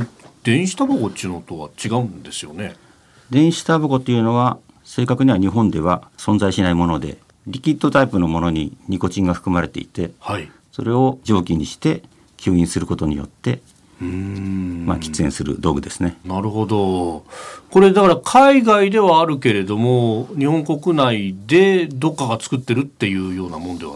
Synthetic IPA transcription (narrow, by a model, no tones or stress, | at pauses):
d̪̥ẽ̞ɰ̃ɕi̥t̪aboɡot̪ːiɨnot̪oβat͡ɕiɡaɯ̃nd̪e̞sɨjo̞ne | d̪ẽ̞ɰ̃ɕi̥t̪aboɡo̞t̪ːeiɯ̟ːno̞βa | se̞ːkakɯ̟ɲ̟iβaɲ̟iɦõ̞nd̪e̞βasõ̞nd͡zzaiɕinaimo̞no̞d̪e̞̰ | ɾʲikʲit̪ːo̞t̪aipɯ̟no̞mo̞no̞ɲ̟ḭɲ̟iko̞t͡ɕĩŋɡaɸɯ̟̥kɯ̟maɾe̞t̪e̞̰it̪e̞hai | so̞ɾe̞o̞d͡ʑo̞ːkʲiɲ̟iɕi̥t̪e̞ | kʲʰɨːĩsɨɾɯ̟ko̞t̪o̞ɲ̟ḭjo̞̰t̪ːe̞ | ɯ | ma̰kʲi̥t͡sɨẽ̞ɰ̃sɨɾɯ̟̰d̪o̞ːɡɯ̟d̪e̞sɨ̥ne̞naɾɯ̟ɦo̞d̪o̞ | ko̞ɾe̞d̪akaɾakʰaiɡaid̪e̞βaːɾɯ̟ke̞ɾe̞d̪o̞moɲ̟ihõŋko̞kɯ̟naid̪e̞d̪o̞kːaɡat͡sɨ̥kɯ̟t̪ːe̞ɾɯ̟t̪ːe̞jɯ̟ːjo̞ːnamo̞nod̪e̞a